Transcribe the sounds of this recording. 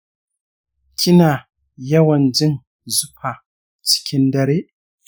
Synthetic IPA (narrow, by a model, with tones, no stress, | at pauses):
kʲʰi˦na˨ | ja˦wa˨n˨d͡ʒi˦ŋ | zu˦pʰa˨ | t͡si̥˨kʰʲi˦nda˦ɾe˦